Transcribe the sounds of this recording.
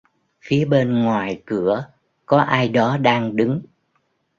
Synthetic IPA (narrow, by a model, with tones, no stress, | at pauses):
fi˨˦əɓe˧nŋwaː˨˩jkɨ˧˩ə | kɔ˨˦ʔaː˧jɗɔ˨˦ɗaː˧ŋɗɨ˨˦ŋ